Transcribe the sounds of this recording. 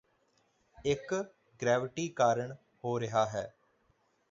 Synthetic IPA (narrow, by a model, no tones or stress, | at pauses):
ɪk | ɡɾɛːʋɪʈiːkaːɾəɳ | hoːɾɪɦaːɦɛː